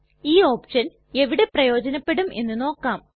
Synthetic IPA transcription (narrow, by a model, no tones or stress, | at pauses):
iːo̞ːpʂɐn | e̞ʋiɽe̞prɐjo̞ːd͡ʑɐnɐpːe̞ɽume̞nːɨno̞ːkːaːm